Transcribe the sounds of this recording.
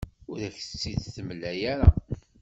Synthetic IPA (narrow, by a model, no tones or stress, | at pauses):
ʊɾæçt͡sːiðθəmlæjæɾa